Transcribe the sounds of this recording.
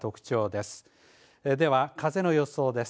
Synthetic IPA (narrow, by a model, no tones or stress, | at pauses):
t̪o̞kɯ̟̥t͡ɕo̞ːd̪e̞sɨ̥ | d̪e̞βakʰaze̞no̞jo̞so̞ːd̪e̞s